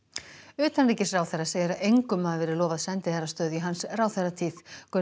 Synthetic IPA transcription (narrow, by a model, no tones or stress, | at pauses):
ʏːt̪anriːcɪsraːwθɛrːaseːjɾaʔejŋkʏmːaðvɛːɾɪɾlɔːvaðsɛnt̪ɪθɛrːast̪œːðiɦansraːwθɛrat̪ʰiːðkœ